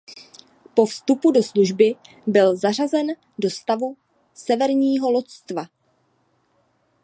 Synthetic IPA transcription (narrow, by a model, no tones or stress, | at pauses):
po̞fst̪upudo̞sluʒbɪ | bɪlzar̝azɛn | do̞st̪avu | sɛvɛɾɲiːɦo̞lot̪st̪va